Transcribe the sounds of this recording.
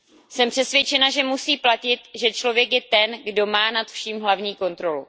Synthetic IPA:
sɛmpr̝̥ɛsvjɛt͡ʃɛnaʒɛmusiːplacɪt̪ʒɛt͡ʃlo̞vjɛkjɛt̪ɛnɡdo̞maːnat̪fʃimɦlavɲiːko̞nt̪ɾo̞lṵ

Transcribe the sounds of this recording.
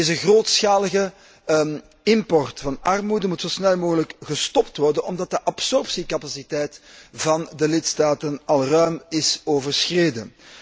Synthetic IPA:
ɪzənɣroːtsxaːləɣə | ɪmpɔrtfɑnɑrmudəmutsosnɛlˠmoːɣələkɣəstɔptʋɔrdənɔmdɑt̚dəʔɑpsɔrpsikɑpasitɛjtvɑndəlɪtstaːtənɑlˠrœːmɪsoːvərsxreːdən

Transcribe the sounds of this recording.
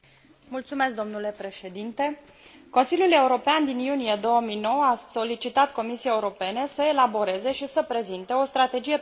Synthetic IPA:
mult̪sume̞s̬k̚d̪o̞mnule̞pɾe̞ʃe̞d̪int̪e̞ | ko̞nsilʲjule̞uɾo̞peand̪injunije̞d̪o̞wəmijno̞wəaso̞lit͡ʃit̪at̪ko̞misijeajeuɾo̞pe̞nesəe̞labo̞ɾe̞ze̞ʃisəpɾe̞zint̪e̞o̞st̪ɾat̪e̞d͡ʒije̞

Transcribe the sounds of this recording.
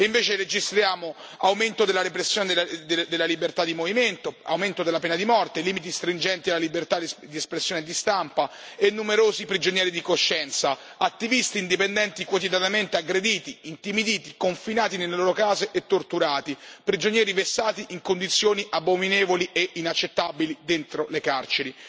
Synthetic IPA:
iɱveːt͡ʃeɾed͡ʒist̪ɾjaːmo | awment̪od̪elaɾepɾesːjoːned̪d̪elːalibert̪ad̪imoviment̪oa̰wment̪od̪elːapɛːnad̪imɔrt̪eliːmit̪̬ist̪ɾind͡ʒɛnt̪ialːalibert̪ad̪iespɾesːjoːned̪ist̪ampa | enːumeɾoːzipɾid͡ʒonjɛːɾid̪ikoʃːɛnt̪sa | at̪ːivist̪iːnd̪ipend̪ɛnt̪ikwot̪id̪janament̪eaɡɾed̪iːt̪iint̪imid̪iːt̪ikoɱfinaːt̪inelːeloːɾokaːzeʔet̪ːort̪uɾaːt̪ipɾid͡ʒonjɛːɾivesːaːt̪iʔiŋkond̪it̪sːjoːniʔabːomineːvoliʔeʔinat͡ʃːet̪ːabilid̪ent̪ɾolekart͡ʃeɾi

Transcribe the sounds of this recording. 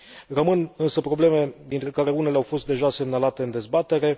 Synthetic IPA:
rəmɨnɨnsəpɾo̞ble̞me̞d̪int̪ɾe̞kaɾe̞unele̞awfo̞st̪̚d̪e̞ʒase̞mnalat̪e̞ɨnd̪e̞zbat̪e̞ɾe̞

